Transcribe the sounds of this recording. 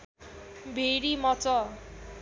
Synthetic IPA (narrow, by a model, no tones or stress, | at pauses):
bʱeɾimʌt͡sʌ